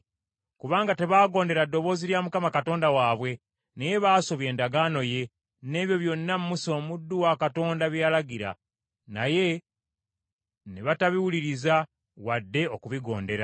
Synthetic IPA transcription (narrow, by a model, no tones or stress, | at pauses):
kuβaːŋɡate̞βaːɡo̞ːnde̞ɾadːo̞βo̞ːziljamukamakato̞ːndawaːβwe̞ | neje̞βaːso̞βje̞ːndaɡano̞je̞ | ne̞ːβjo̞βjo̞nːammuso̞ːmudːuwakato̞ːndaβjaːlaɡiɾa̰ | na̰je̞ | neβataβiwuliɾiza | wadːe̞o̞kuβiɡo̞̰ːnde̞ɾa̰